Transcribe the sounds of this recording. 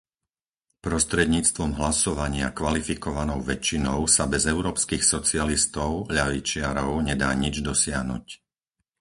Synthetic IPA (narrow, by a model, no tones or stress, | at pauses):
pɾɔst̪ɾɛd̪ɲiːt͡st̪ʋɔmɦlasɔʋaɲɪa̰kʋalifikɔʋanɔʊʋɛt͡ʃːinɔʊsabɛzɛʊɾɔːpskixsɔt͡sialist̪ɔʊʎaʋit͡ʃɪaɾɔʊɲɛd̪a̰ːɲid͡ʒd̪ɔsɪaɦnṵc